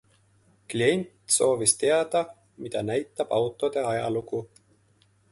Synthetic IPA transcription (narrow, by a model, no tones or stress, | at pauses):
klie̞nʲt̪ˑso̞ːvist̪e̞ɑd̪̥ɑ | mid̪ɑnæjt̪ːˑɑb̥ɑwt̪ˑo̞d̪̥e̞ɑjɑluku